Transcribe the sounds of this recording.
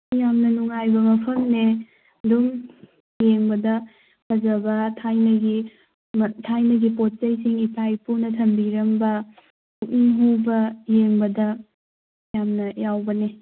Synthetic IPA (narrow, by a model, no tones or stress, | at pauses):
jamnɐnuŋajbɐmɐpʰɐmne | dum | jeŋbɐdɐ | pʰɐzɐbɐtʰajnɐɡi | mtʰajnɐɡipot̚t͡ʃɐjsiŋipʰajpunɐtʰɐmbiɾɐmbɐ | uk̚iŋɦubɐjeŋbɐdɐ | jamnɐjawbɐne